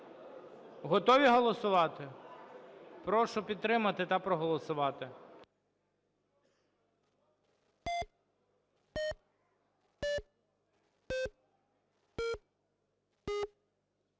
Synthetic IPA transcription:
ɦɔt̪ɔʋʲiɦɔlˠɔsʊʋɑt̪ɪ | pɾɔʃʊpʲid̪̚t̪ːɾɪmɐt̪ɪt̪ɐpɾɔɦɔlˠɔsʊʋɑt̪ɪ

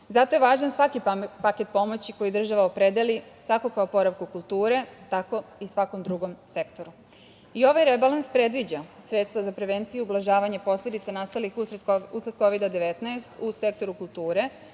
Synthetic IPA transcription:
zat̪o̞jeʋaːʒansʋakipake̞t̪̚po̞mo̞t͡ɕiko̞jid̪r̩ʒaʋaopɾed̪elik̪ako̞kaopo̞ɾaʋkukulˠt̪uːɾe̞t̪ako̞isʋako̞md̪ɾuɡo̞mse̞kt̪o̞ɾu | io̞ʋajɾebalanspɾe̞d̪ʋid͡ʑasɾe̞t̪st̪ʋazapɾe̞ʋent̪sijuublˠaʒaːʋaɲepo̞slʲe̞d̪it̪sanast̪alixusat̪ko̞ʋid̪ad̪e̞ʋet̪naest̪use̞k̚t̪o̞ɾukulˠt̪uːɾe̞

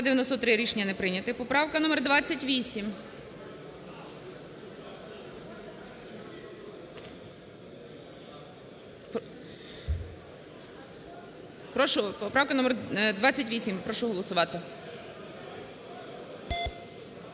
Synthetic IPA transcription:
d̪ejɐnɔst̪ɔt̪ɾɪɾʲiʃenʲːɐnɛpɾɪnʲɐt̪ɪpɔpɾɑwkɐnɔmerd̪ʋɑt͡sʲːɐtʲʋʲisʲim | pɾɔʃʊpɔpɾɑwkɐnɔmɛrd̪ʋɑt͡sʲːɐtʲʋʲisʲimpɾɔʃʊɦɔlˠɔsʊʋɑt̪ɪ

